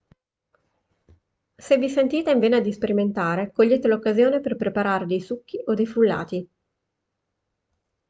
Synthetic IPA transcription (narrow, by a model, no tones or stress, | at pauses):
sevːisent̪iːt̪eiɱveːnad̪ispeɾiment̪aːɾekoʎːeːt̪elokːazjoːneperpɾepaɾaːɾed̪ejsukːiʔod̪ejfulːa̰ːt̪i